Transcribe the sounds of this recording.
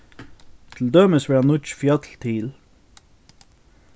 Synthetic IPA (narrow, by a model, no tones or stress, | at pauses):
t̪ʰɪl̩d̪œməsʋæːɑnʊt͡ʃfjɑt̪ʰl̩t̪ʰiːl